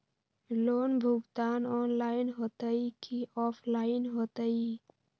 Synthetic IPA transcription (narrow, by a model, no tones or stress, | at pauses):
loːnbʱʊɡt̪aːnɔːnlaːɪnɦoːt̪əikiːɔːpʰlaːɪnɦoːt̪əiː